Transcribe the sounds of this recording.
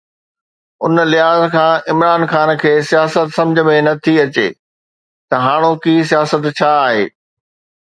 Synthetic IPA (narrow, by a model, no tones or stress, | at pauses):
ʊnlɪɦaːzkʰãːɪmɾaːnxaːnkʰeːsijaːsət̪sɐ̃md͡ʑʱə̆mẽnɐt̪ʰiɐt͡ɕḛː | t̪ɐɦaːɽ̃okiːsijaːsət̪t͡ɕʰaːɦeː